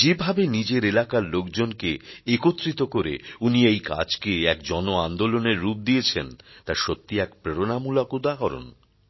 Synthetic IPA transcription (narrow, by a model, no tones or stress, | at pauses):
d͡ʑebʱabenid͡ʑeɾelakaɾlok̚d͡ʑonkeekot̪ːɾit̪okoɾḛuniejka̰d͡ʑkeɛkd͡ʑɔnoand̪oloneɾːup̚d̪ijet͡ɕʰent̪aɾʃot̪ːiɛkpɾeɾonamulakud̪akɔɾo̰n